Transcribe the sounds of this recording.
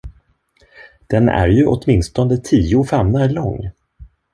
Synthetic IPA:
d̪̥ɛnæ̰ɾjɵʔɔ̰t̪mɪnst̪ɔnd̪ət̪ʰiːʊfɛmnalɔŋː

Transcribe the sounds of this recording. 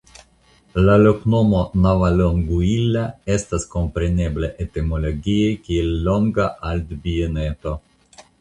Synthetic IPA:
lalo̞kno̞mo̞navaloŋɡuilːae̞stasko̞mpɾene̞bleʔet̪emolo̞ɡiekielːo̞ŋɡaʔald̪bienet̪o̞

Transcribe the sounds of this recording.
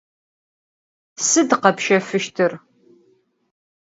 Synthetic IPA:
sɨdqɐpʃɐfɨʃtʰɨr

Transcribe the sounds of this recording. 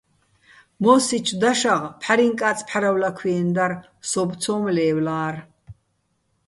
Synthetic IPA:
mɔsit͡ʃʰd̪aʃaʁpʰħaɾiŋkʼat͡sʼpʰħaɾawlakʰwiɛnd̪ar | sɔbt͡sʰɔːmlɛːwlaːr

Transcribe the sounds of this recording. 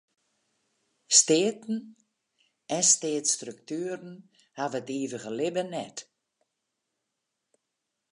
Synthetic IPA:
steːtn̩ | ɛnsteːtstryktyːəɾn̩ | havətiːvəɣəlɪbənɛt

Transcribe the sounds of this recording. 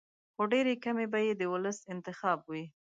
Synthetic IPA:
xoɖeɾekamebajed̪əwʊləsɪnt̪ɪxɑbwi

